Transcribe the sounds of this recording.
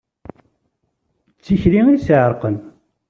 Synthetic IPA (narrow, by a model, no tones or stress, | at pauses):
t͡sːiçɾiŋisʕəɾˤqən